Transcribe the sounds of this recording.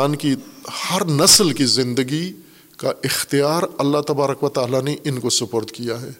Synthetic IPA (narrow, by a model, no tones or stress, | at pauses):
aːnkihɐɾnɐslkizɪ̃nd̪əɡi | kaʔɪxt̪ijaːɾɐlːat̪ɐbaːɾəkʋɐt̪aːlaneʔɪnkosʊpoːɾt̪kijaɦɛː